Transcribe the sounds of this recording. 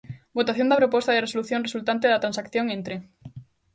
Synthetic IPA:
bot̪aθjond̪apɾopost̪aðeresoluθjonresult̪ant̪̬eðat̪ɾansakθjoŋẽnt̪ɾe

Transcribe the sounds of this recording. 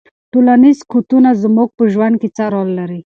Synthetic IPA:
ʈolanizkʰot̪unazmuɡ̚pəʒwand̪̚ket͡saɾɔlːaɾi

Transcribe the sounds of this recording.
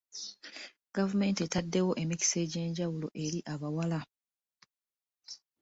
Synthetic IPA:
ɡ̥avume̞ːntietadːe̞wo̞ʔe̞mici̥se̞ːɟe̞ːɲɟawulo̞ʔe̞ɾiʔaβawala

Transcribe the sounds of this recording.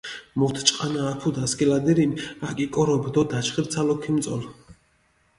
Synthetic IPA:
mɔvt̪ʰt͡ʃʼqʼanaːpʰud̪askʼɛlad̪iɾinakʼikʼɔɾɔbd̪ɔd̪at͡ʃʰχiɾt̪sʰalɔkʰimt̪sʼɔ̰l

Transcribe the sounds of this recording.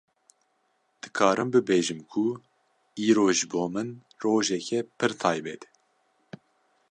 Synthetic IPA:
d̪̥ɨkʰɑːɾʔɨmbɨbeːʒɨmkʰu | iːɾoːʒɨboːmɨn | roːʒɛkʰɛpʰɨɾt̪ʰɑːjbɛt̪

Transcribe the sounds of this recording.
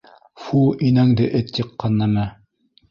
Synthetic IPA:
fuʔinæŋd̪ɘʔɘt̪ːɤqːɑnːɑmæ

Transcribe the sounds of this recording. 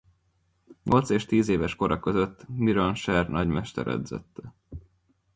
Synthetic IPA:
ɲo̞lt̪seːʃt̪iːzeːvɛʃko̞ɾʔɒkø̞zø̞t̪ːmiɾonʃɛrnʔɒɟmɛʃt̪ɛɾɛ̰d̪zɛ̰t̪ːɛ

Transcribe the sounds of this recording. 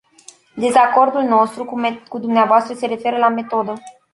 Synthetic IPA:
d̪e̞zako̞rd̪ulno̞st̪ɾukud̪umneavoast̪ɾəse̞ɾe̞fe̞ɾəlame̞t̪o̞d̪ə

